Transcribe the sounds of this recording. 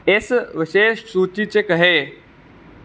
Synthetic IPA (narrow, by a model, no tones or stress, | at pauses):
esʋɪʃeːʃsuːt͡ɕit͡ɕekɐɦe